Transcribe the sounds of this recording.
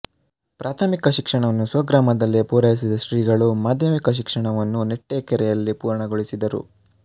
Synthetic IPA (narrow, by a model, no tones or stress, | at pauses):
pɾʔaːt̪ʰɐmikɐʃikʂɐɳɐʋɐnːusʋɐɡɾaːmɐd̪ɐlːipuːɾɐjis̬id̪ɐʃɾiːɡɐɭumaːd̪ʱjɐmikɐʃ̬ikʂɐɳɐʋɐnːuneʈːekɛɾɛjɐlːipuːɾɐɳɐɡoɭisid̪ɐɾṵ